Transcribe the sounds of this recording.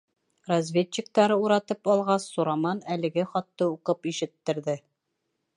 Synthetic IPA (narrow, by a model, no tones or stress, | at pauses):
rɐzvʲet̪ɕːɪk̚t̪ɑɾɤuɾɑt̪ɤpɒlˠʁɑsːuɾɑmɑnælɘ̆ɡɘχɒt̪ːɤuqɤpiʃɘ̆t̪ːɘ̆ɾðɘ